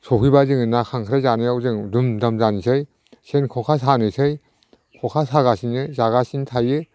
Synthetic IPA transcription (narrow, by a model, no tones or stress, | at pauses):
sɔpʰibazɯŋɯnakʰaŋkʰɾajzanɯjawzɯŋdumdamzanisʰɯj | senkʰɔkʰasanɯsʰɯj | kʰɔkʰasaɡasinɯzaɣasintʰajɯ